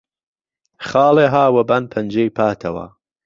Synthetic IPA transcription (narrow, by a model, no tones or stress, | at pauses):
χɑːlˠeːɦaːwɐbanpʰɐnd͡ʒejpʰaːt̪ʰɐwɐ̰